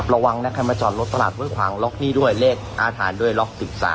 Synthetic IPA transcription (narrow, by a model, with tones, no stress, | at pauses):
p̚ɾa˧wa˧ŋnɛ˦˥kʰa˧jmaː˧t͡ɕɔ̰ː˨˩nlo˦˥t̪ːa˧la̰ː˨˩t̪̚bu˥˩əjkʰwaː˩˦ŋlɔ˦˥k̚niː˥˩du˥˩əjleː˥˩k̚ʔaː˧t̪ʰaː˩˦ndu˥˩əjlɔ˦˥k̚si˨˩p̚sa̰ː˨˦